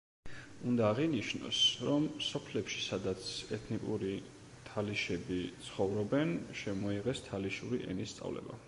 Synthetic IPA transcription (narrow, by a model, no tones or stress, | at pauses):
und̪aːʁiniʃnɔ̰sɾɔmsɔpʰlɛpʃi̥sad̪at̪sʰɛt̪ʰnikʼuɾi | t̪ʰaliʃɛbit̪sʰχɔvɾɔbɛnʃɛmɔiʁɛst̪ʰaliʃuɾiʔɛ̰nist̪sʼa̰vlɛ̰ba̰